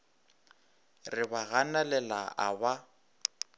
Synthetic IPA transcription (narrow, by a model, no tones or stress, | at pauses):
rɪbaɣanalɛlaʔaba